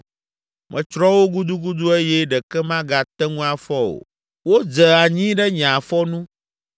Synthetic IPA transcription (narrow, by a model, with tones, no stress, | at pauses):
mʔɛ̰̃˨t͡ʃɾɔ˦wo˦ɡu˦d̪u˦ɡu˦d̪u˦e˦jɛ˦ɖɛ˨kɛ˦mã˦ɡa˨t̪ɛ˦ŋũ˦a˨fɔ˦o̰˨ | wo˦d͡zɛ˨a˨ɲĩ˦ɖɛ˦ɲã˨fɔ˦nũ˦